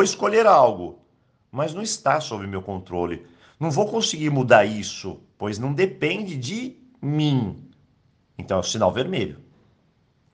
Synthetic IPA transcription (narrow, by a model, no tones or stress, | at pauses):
voɪskoʎeɾawɡʊ | mɐznɐ̃w̃ɪst̪asobɾɪʊmewkõnt̪ɾolɪ̰ | nɐ̃w̃vowkõsɪɡiɾmud̪aɾisʊ̰pojznɐ̃w̃d̪epẽd͡ʒɪd͡ʒɪ | mĩ | ẽnt̪ɐ̃w̃ɛʊsina̰wveɾmeʎʊ̰